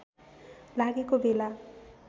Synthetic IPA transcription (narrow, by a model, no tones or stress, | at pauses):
laɡekobela